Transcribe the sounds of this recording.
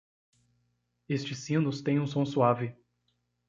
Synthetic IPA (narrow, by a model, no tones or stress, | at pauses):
est͡ʃɪsĩnʊst̪ẽj̃ũsõsuavɪ